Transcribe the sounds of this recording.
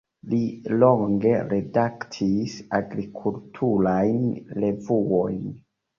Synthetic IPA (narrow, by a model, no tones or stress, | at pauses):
lilo̞ŋɡe̞ɾe̞daktʰisaɡɾikʰultʰuɾajnle̞vuojn